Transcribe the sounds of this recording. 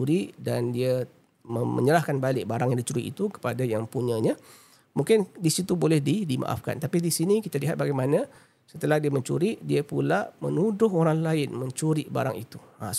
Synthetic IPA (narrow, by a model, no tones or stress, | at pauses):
uɾiʔdandia | məmə̰ɲəlahkanbalɪʔ̚baɾaŋjaŋdit͡ʃuɾḭʔḭt̪ukə̥padajaŋpuɲãɲa | mũŋkɪndisit̪ubolɛhdidimã̰ʔa̰fka̰nt̪apidisinikit̪aliɦat̪̚baɡajmanã | sət̪əlahdiaməɲt͡ʃṵɾiʔdiapulamə̰nudʊɦoɾaŋlaɪnməɲt͡ʃuɾiʔba̰ɾa̰ŋḭt̪u̥a̰